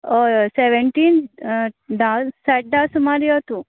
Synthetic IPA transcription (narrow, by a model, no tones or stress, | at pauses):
oseʋeɳʈin | ɖaseʈ̚ɖaːsumaːɾiot̪u